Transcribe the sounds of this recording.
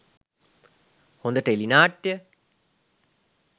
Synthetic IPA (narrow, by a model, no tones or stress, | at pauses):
hond̪əʈəelinaːʈːjə